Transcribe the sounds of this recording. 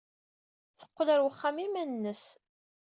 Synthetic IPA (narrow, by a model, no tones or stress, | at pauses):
θə̥qːlæɾwəχːamimænnːəs